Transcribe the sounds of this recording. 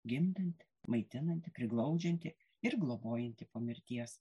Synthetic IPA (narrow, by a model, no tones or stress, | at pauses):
ɡʲɪnd̪ɐnʲt̪ʲɪ | mɐɪt̪ʲɪnɐnʲt̪ʲɪpʲɾʲɪɡlˠɐʊd͡ʒʲɛnʲt̪ʲɪ | ɪɾɡlˠoːboːjɛnʲt̪ʲɪpoːmʲɪɾʲt̪ʲiɛs